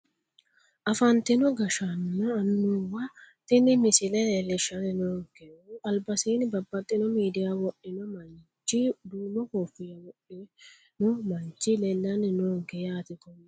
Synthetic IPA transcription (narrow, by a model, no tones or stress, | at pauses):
ʔɐfɐnt̪ɪnɔɡɐʃɐnːɐːnːuːwɐt̪ɪnɪmɪsɪlɛlelːɛʃɐnɪnoːɡɛuɐlbɐsiːnɪbɐbːɐt̪ʼːɪnɔmiːd̪ɪjawɔʔːɪnɔmɐn | t͡ʃːid̪uːmɔkoːfɪjɐwɔʔɪ | nɔmɐnt͡ʃːɪlɛlːɐnɪnoːɡɛjaːt̪ɪkɔmː